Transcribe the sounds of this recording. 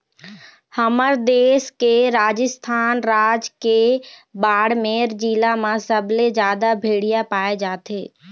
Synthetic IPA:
həməɾd̪eːskeɾaːd͡ʒəst̪ʰaːnɾaːd͡ʒkebaːɽmẽɾd͡ʒiːlamãsəbled͡ʒjaːd̪abʱeːɽɪjapaːed͡ʒaːt̪ʰeː

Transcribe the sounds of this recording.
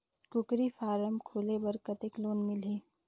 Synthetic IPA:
kʊkɾifaːɾəmkʰoːlebɐɾkət̪eːkloːnmɪliː

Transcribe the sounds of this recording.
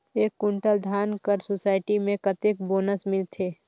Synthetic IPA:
eːkːʊ̃ɳʈəld̪ʱaːnkəɾsoːsaːɪʈimẽkət̪ɪkboːnəsmɪlt̪ʰeː

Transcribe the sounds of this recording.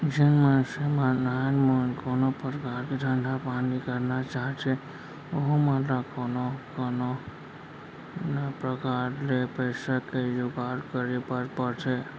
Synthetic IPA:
d͡ʒənmansemanajnmənkonopəɾkaɾked̪ʱəɳɖʱapanikəɾnat͡ʃaɦet͡ʃʰe | oɦomãt̪ɾakonokono | napɾəkaɾlepəɪsakejoɡaɾkəɾepəɾpəɾt͡ʃʰe

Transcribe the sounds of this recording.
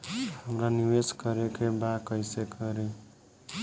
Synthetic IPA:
həmɾaniweskʌɾekebakʌjsekəɾe

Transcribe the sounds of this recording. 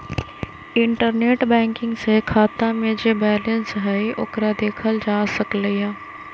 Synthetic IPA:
ɪɳʈəɾneːʈbɛ̃ːŋkɪ̃ŋɡsekʰaːt̪ãmẽd͡ʒeːbɛːlə̃nsɦɛiʔʊkɾad̪eːkʰəld͡ʒaːsəkleɦaː

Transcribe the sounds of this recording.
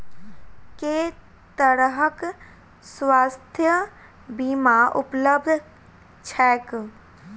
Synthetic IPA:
ke | t̪əɾɦək | sʋaːst̪ʰjə | bimaʔupləb̚d̪ʱ | t͡ʃʰɛːk

